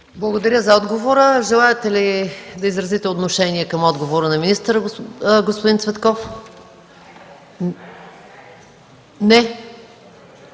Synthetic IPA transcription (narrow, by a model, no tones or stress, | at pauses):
blˠɐɡod̪ɐɾʲəzɐɔd̪ɡovoɾəʒɛlˠaɛt̪ɛlid̪ɐizɾɐzit̪ɛot̪noʃɛniɛkɐmɔd̪ɡovoɾənɐminist̪əɾəɡospod̪int̪svɛt̪kɔf | nɛ